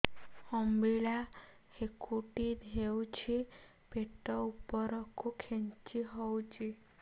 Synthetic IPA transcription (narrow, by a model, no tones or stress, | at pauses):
hɔmbiɭa | hekʰuʈid̪ʱewt͡ʃʰe | peʈɔupəɾɔkʰukʰẽnt͡ʃiɦɔwt͡ʃʰe